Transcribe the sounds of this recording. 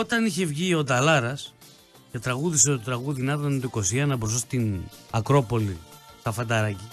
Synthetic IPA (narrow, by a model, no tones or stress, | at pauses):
o̞t̪ɐniçe̞vʝio̞d̪ɐlɐɾɐs | cet̪ɾɐɣuðiset̪ot̪ɾɐɣuðinɐðɐnnd̪oko̞siɐnɐbɾos̬osi̥t̪inɐkɾo̞po̞lḭst̪ɐfɐd̪ɐɾɐci